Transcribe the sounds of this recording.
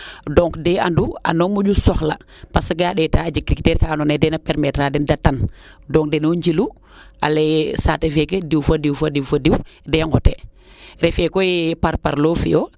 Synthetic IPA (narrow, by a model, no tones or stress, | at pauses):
dɔŋkdɛandua̰nɔmuɟusɔxla̰ | pasɡaɗɛtad͡ʒikɾiktɛːɾkanɔnɛdɛnapɛɾmɛtɾadɛndatːan | dɔŋkdɛnoɲd͡ʒilu | a̰lɛsatefɛkediwfadiwfadiwfadiwdɛŋhɔtḛ | ɾɛfɛkɔjɛpaɾpaɾlofḭjo